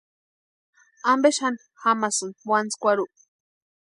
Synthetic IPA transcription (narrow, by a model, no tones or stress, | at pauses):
ambeʃan | xamasɨnwant͡skʷaɾuʔ